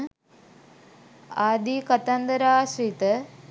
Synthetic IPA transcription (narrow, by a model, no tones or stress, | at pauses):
aːd̪ikɐt̪ɐnd̪ɐɾaːʃɾit̪ɐ